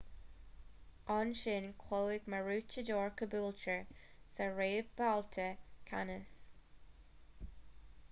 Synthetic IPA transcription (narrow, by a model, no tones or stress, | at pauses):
ɔnʃɪnkʰloːɪɡməɹuːt͡ʃədoːɹkʰəbuːlt͡ʃəɹsəɹeːvbaltʰəkʰanəs